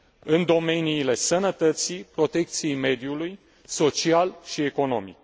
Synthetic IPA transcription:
ɨnd̪o̞me̞niːle̞sənət̪ət̪sipɾo̞t̪e̞k̚t̪sije̞jme̞d̪juluj | so̞t͡ʃialʃie̞ko̞no̞mḭk̚

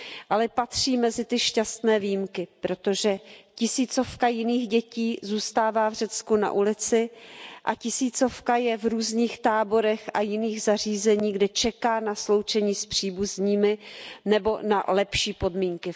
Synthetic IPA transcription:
ʔalɛpat̪r̝̥iːmɛzɪt̪ɪʃcast̪nɛːviːjmkɪpɾo̞t̪o̞ʒɛcɪsiːt͡so̞fkajɪniːɣɟɛciːzuːst̪aːvaːvr̝ɛt͡skuna̰ʔulɪt͡sɪʔacɪsiːt͡so̞fkajɛvɾuːzɲiːxt̪aːbo̞ɾɛxajɪniːɣzar̝iːzɛɲiːɡdɛt͡ʃɛkaːnaslo̞wt͡ʃɛɲiːspr̥iːbuzɲiːmɪnɛbo̞na̰lɛpʃiːpo̞dmiːŋkɪ

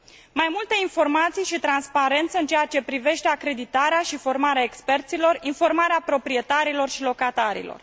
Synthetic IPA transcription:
majmult̪e̞info̞rmat̪sijʃit̪ɾanspaɾe̞nt̪səɨnt͡ʃejat͡ʃe̞pɾive̞ʃt̪e̞akɾe̞d̪it̪aɾeaʃifo̞rmaɾeaekspe̞rt̪silo̞rinfo̞rmaɾeapɾo̞pɾie̞t̪aɾilo̞rʃilo̞kat̪aɾḭlo̰r

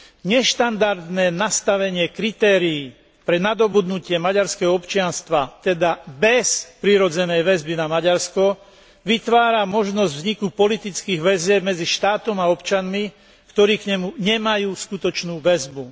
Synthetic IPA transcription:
ɲɛʃt̪and̪aɾd̪nɛːnast̪aʋɛɲɪɛkɾit̪ɛːɾiː | pɾɛnad̪ɔbud̪nucɪɛmaɟaɾskɛɦɔɔpt͡ʃɪanst̪ʋat̪ɛd̪abɛspɾiɾɔd͡zɛnɛjʋɛzbinamaɟaɾskɔ | ʋit̪ʋaːɾamɔʒnɔzɟvzɲikupɔlit̪it͡skiːɣʋɛzɪɛbmɛd͡ziʃt̪aːt̪ɔmaɔpt͡ʃanmi | kt̪ɔɾiːkɲɛmuɲɛmajuːskut̪ɔt͡ʃnuːʋɛzbu

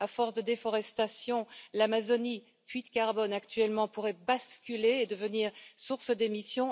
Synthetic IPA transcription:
afɔʁsd̪əd̪efɔʁɛst̪asjɔ̃lamazɔni | pɥit̪kaʁbɔnakt̪ɥɛlmɑ̃puʁɛbaskʲyleːd̪əvəniːʁsuʁsəd̪emisjɔ̃

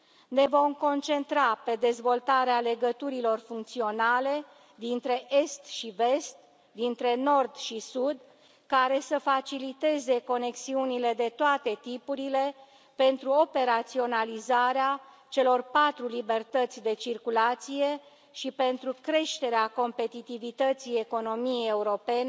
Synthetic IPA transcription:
ne̞vo̞mko̞nt͡ʃe̞nt̪ɾape̞d̪e̞zvo̞lt̪aɾeale̞ɡət̪uɾilo̞rfuŋk̚t̪sio̞nale̞ | d̪int̪ɾe̞ʔe̞st̪ʃive̞st̪̚ | d̪int̪ɾe̞no̞rd̪ʃisud̪ | kaɾe̞səfat͡ʃilit̪e̞ze̞ko̞ne̞ksiunile̞d̪e̞t̪oat̪e̞t̪ipuɾile̞ | pe̞nt̪ɾuope̞ɾat̪sio̞nalizaɾea | t͡ʃe̞lo̞rpat̪ɾulibe̞rt̪ət̪sʲd̪e̞t͡ʃirkulat̪sije̞ | ʃipe̞nt̪ɾukɾe̞ʃt̪e̞ɾeako̞mpe̞t̪it̪ivit̪ət̪sije̞ko̞no̞mijeje̞uɾo̞pe̞ne

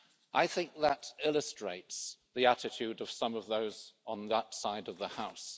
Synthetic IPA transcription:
ʔaɪθɪ̃ŋk̚ðəɾɪlˠəstɹ̥eɪtsðiætɨtʰʉdʌv̥sʌ̃mʌvðoʊzn̩ðətsaɪdʌvðəhaʊs

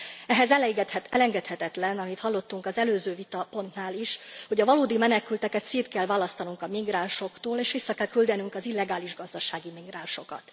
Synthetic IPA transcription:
ɛɦɛzɛlɛjɡɛt̪hɛt̪ɛlɛŋɡɛt̪hɛt̪ɛt̪lɛnɒmit̪hɒlːo̞t̪ːuŋkɒzɛløːzøːvit̪ɒpo̞nt̪naːliʃho̞ɟɒvɒloːd̪imɛnɛkylt̪ɛkɛt̪siːt̪̚kɛlvaːlɒst̪ɒnuŋkɒmiɡraːnʃo̞kt̪oːleːʃʋisːɒkɛlkyld̪ɛnyŋkɒzilːɛɡaːliʒɡɒzd̪ɒʃaːɡimiɡraːnʃo̞kɒ̰t̪

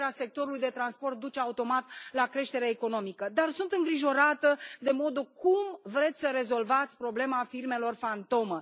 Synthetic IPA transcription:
ease̞k̚t̪o̞ɾulujd̪e̞t̪ɾanspo̞rt̪̚d̪ut͡ʃeaut̪o̞mat̪lakɾe̞ʃt̪e̞ɾeːko̞no̞mikəd̪arsunt̪ɨŋɡɾiʒo̞ɾat̪əd̪e̞mo̞d̪okumvɾe̞t̪sʲsəɾe̞zo̞lvat̪sʲpɾo̞ble̞mafirme̞lo̞rfant̪o̞mə

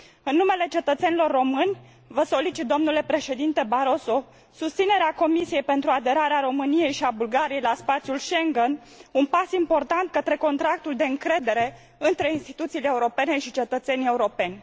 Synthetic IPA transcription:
ɨnːume̞le̞t͡ʃe̞t̪ət̪se̞nilo̞rːo̞mɨnʲ | vəso̞lit͡ʃit̪̚d̪o̞mnule̞pɾe̞ʃe̞d̪int̪e̞baɾo̞so̞ | sust̪sine̞ɾeako̞misije̞jpe̞nt̪ɾuad̪e̞ɾaɾeaɾo̞mɨnije̞jʃiabulɡaɾijejlaspat̪sjulʃe̞ŋɡen | unpasimpo̞rt̪ant̪̚kət̪ɾe̞ko̞nt̪ɾak̚t̪uld̪e̞ɨŋkɾe̞d̪e̞ɾe̞ | ɨnt̪ɾe̞inst̪it̪ut̪sileeuɾo̞pe̞ne̞ʃit͡ʃe̞t̪ət̪se̞nʲie̞uɾo̞pe̞nʲ

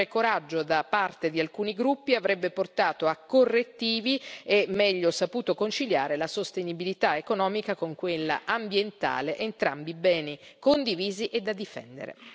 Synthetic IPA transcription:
ekoɾad͡ʒːod̪apart̪ed̪ialkuːniɡɾupːiavɾɛbːeport̪aːt̪oakːorːet̪ːiːviemːɛʎːosapuːt̪okont͡ʃiljaːɾelasost̪enibilit̪aekonɔːmikakoŋkwelːa̰ʔambjent̪a̰ːleʔent̪ɾa̰mbibɛːnikond̪iviːziʔed̪ːad̪ifɛ̰nd̪ḛɾḛ

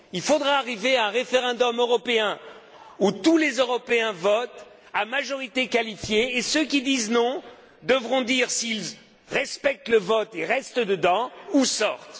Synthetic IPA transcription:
ilfod̪ʁaːʁiveaɛ̃ʁefeʁɑ̃d̪ɔmøʁɔpeɛ̃ | ut̪ulezøʁɔpeɛ̃vɔt̪ | amaʒɔʁit̪ekalifjeːsøkʲid̪iznɔ̃ | d̪əvʁɔ̃d̪iʁsil | ʁɛspɛk̚t̪ləvɔt̪eʁɛst̪əd̪əd̪ɑ̃usɔʁt̪

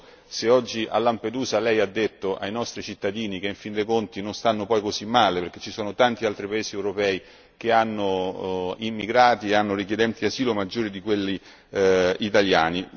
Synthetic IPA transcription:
seɔd͡ʒːiʔa̰lːamped̪uːzalɛjad̪ːet̪ːoʔajnɔst̪ɾit͡ʃit̪ːad̪iːnikeiɱfind̪ekont̪inonst̪anːopɔjkozimːaːleperk̟e̥t͡ʃːisɔːnot̪ant̪ialt̪ɾipaeːziewɾopɛːi | k̟eanːo | imːiɡɾaːt̪ieanːoɾikjed̪ɛnt̪iaziːlomad͡ʒːoːɾid̪ikwelːi | it̪aljaːni

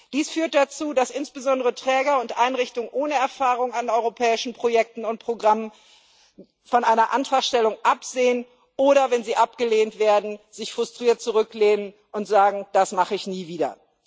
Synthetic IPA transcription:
d̥iːsfyːɐt̚d̥at͡suːdasʔɪnsb̥əzɔndəʁətʁ̥ɛːɡɐʊntʔaɪnʁɪçtʊŋʔoːnəɛɐfaːʁʊŋanɔʏʁopʰɛːɪʃn̩pʁ̥ojɛk̚tn̩ʊnt̚pʁ̥oɡʁamən | fɔnʔaɪnɐʔantʁ̥aχʃtɛlʊŋʔapz̥eːən | ʔoːɾɐvɛnziːʔap̚ɡ̥əleːntv̥eːɐdn̩zɪçfʁ̥ʊstʁ̥iːɐt̚t͡suʁʏkleːnən | ʔʊntz̥aːɡŋ̩d̥asmaχəɪçniːviːdɐ̰

